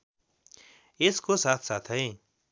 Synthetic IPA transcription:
eskosat̪ʰsat̪ʰɦʌj

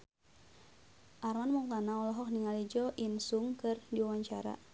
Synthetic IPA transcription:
ʔarmanmuŋt̪anaɔlɔɦɔk̚niŋalid͡ʒɔʔinsuŋkɨrdiwawaɲt͡ʃa̰ɾa̰

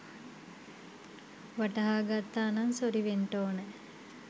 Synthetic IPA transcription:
ʋaʈɐɦaːɡat̪ːaːnaŋsoɾiʋeɳʈoːnə

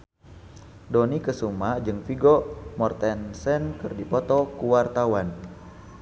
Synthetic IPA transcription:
dɔnikəsumad͡ʒɨŋfiɡɔmɔrt̪ɛnsɛnkɨrdipɔt̪ɔkuwart̪awan

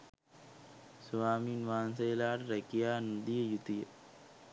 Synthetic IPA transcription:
sʋaːminʋaːnsɐjɐlaːʈɾɐkijaːnud̪ijɐjut̪ijɐ

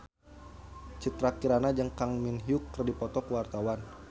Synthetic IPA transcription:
t͡ʃət̪ɾakiɾanad͡ʒəŋkaŋminɦiʊkːərdipɔt̪ɔkəwart̪awan

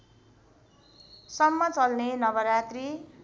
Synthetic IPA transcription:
sʌmːʌt͡sʌlnenʌbʌɾat̪ri

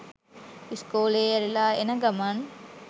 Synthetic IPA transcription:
iskoːleːɐɾilaːenəɡɐman

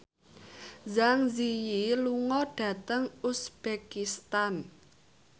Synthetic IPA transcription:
zaŋzijiluŋɔɖ̥ä̤t̪əŋusb̥ekist̪an

